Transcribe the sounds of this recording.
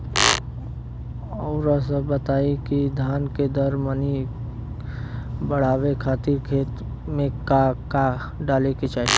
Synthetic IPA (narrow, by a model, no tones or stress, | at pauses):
ɔːɾasəbət̪aːikid̪ʱaːnked̪əɾməni | bəɽ̤aːʋekʰaːt̪iɾkʰeːt̪ | mẽkaka | ɖaːleket͡ʃaːi